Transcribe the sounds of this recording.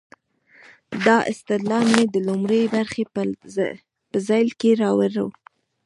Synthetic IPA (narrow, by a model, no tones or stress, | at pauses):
d̪ɑʔɪ̰st̪ɪd̪lɑlmed̪əlʊmɾəjbaɾxe | pəzɑjlkeɾɑwaɾə̰w